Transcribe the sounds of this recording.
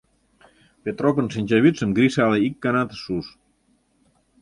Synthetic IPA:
pet̪ɾɔpənsenɲʲt͡ʃeβisəmɡɾisaleikːanat̪sus

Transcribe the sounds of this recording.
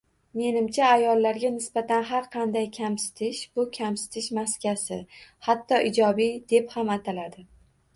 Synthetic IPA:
me̞nɪmt͡ʃʰaːjɒlːaɾɡʲanɪsbat̪ʰanɦaɾqʰɑnd̪ajkʲʰamsɪ̥t̪ʰɪʃbʊkʲʰamsɪ̥t̪ʰɪʃmaskʲasɪhat̪ːɒʔɪd͡ʒɒbid̪e̞phamat̪ʰalad̪ɪ

